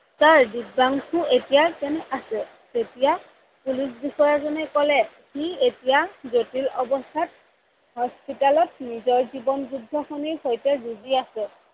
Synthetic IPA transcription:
saɹdid̚baŋkʰuetijakɛnɛʔasɛ | zetija | pulis̬bixɔjazɔnɛkɔlɛ | hietijazotilɔbɔstʰat̚ | hɔspitalɔt̚nizɔɹzibɔnzudʱːɔxɔniɹxojtɛzuziasɛ

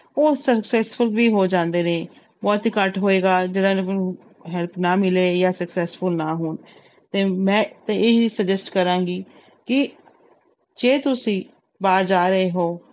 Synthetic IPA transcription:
oːsəksɛːsfʊlʋiːɦoːd͡ʒãːnd̪eːnẽː | bɔːt̪ɦiːkəʈɦoːeːɡaːd͡ʒəɽãːnẽ | ɦɛlpʰnaːmɪleːjaːsəksɛːsfʰʊlnaːɦoːn | t̪eːmɛ̃ːt̪eeːiːsəd͡ʒɛsʈkəɾãːɡiː | kɪ | d͡ʒeːt̪ʊsĩː | baːɾd͡ʒaːɾəeːɦoː

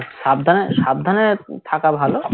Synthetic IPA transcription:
ʃab̚d̪ʱaneʃab̚d̪ʱanet̪ʰakabʱalo

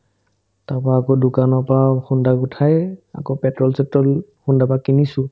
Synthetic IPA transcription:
tapaːkodʊkanɔɹpaxundakutʰaja̰kopɛtɹɔlsɛtɔlxundapakinisʊ̃

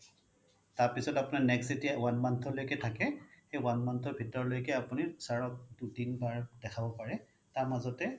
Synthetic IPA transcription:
taɹpisɔtapunanɛksetijawanmantʰɔlojkɛtʰakɛxejwanmantʰɔɹbʱitɔɹlojkɛapunisaɹɔk̚dudinbaɹdɛkʰabɔpaɹɛ | taɹmazɔtɛ

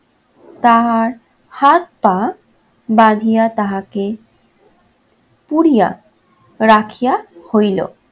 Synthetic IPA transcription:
t̪aɦaɾ | hat̪̚pã | bãd̪ʱijat̪aɦake | puɽija̰ | ɾakʰijahojlo̰

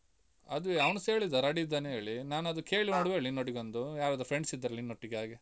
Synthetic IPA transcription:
ɐd̪uʋɐwnseːɭid̪ɐɾɐɽid̪ːaːnɦeːɭinaːnɐd̪uke̞ːɭinoɽʋeːɭinːoʈiɡond̪ujaːɾad̪ɾpʰɾeɳɖsid̪ːɐɾɐlːinːoʈːiɡaːɡe

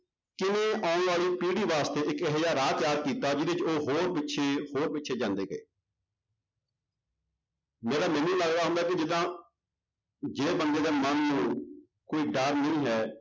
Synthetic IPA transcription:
kɪnẽːʔaːʊ̃nʋaːliːpiːɽiːʋaːst̪eːʔɪkeɦjaːɾaːt̪jaːɾkiːt̪aːd͡ʒɪd̪et͡ʃoːɦoːɾpɪtːʃʰeːhoːɾbɪtːʃʰeːd͡ʒãːnd̪eːɡəḛː | meːɽaːmɛ̃ːnːũːləɡɾaːɦʊ̃nd̪aːkɪd͡ʒɪd̪ãː | d͡ʒeːbənd̪eːd̪eːmənːũː | koːiːɖəɾnəĩːɦɛː

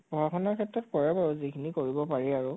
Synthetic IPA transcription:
pɔakʰɔnaɹkʰɛtːɹɔtkɔɹɛbaɹɔzikʰinikoɹibɔpaɹɛaɹu

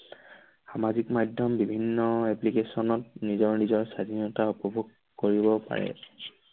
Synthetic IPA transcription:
xamazikmadʱjɔmbibʱinːɔɛplikesɔnɔtnizɔɹnizɔɹsadʱinɔtaupɔbʱuɡ | koɹibɔpa̰ɹɛ̰

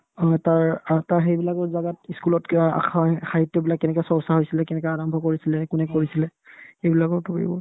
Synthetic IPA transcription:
taɹtaɹxejbilakɔɹzaɡatiskulɔta̰xʰaxaɦitjɔbilakːɛnɛkɔjsɔɹsaɦojsilɛkɛnɛkɔjaɹɔmbʱɔkoɹisilɛkʊnɛkoɹisilɛxejbilakɔɹtupḭbɔ̰

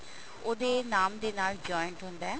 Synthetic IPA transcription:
od̪eːnaːmd̪eːnaːld͡ʒɔːɪɳʈɦʊ̃nd̪aːɛː

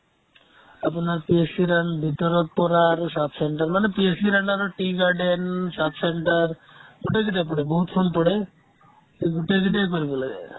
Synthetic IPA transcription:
apnaɾpiesiɾaɳɖbʱit̪oɾot̪̚pɔɾaɾsapseɳʈaɾmanepiesiɾaɳɖaɾoʈiɡaɾɖensapseɳʈaɾ | ɡuʈeɡiʈ̪epɔɽeboɦut̪fʰonpɔɽe | eɡuʈeɡit̪ekoɾibolḛ

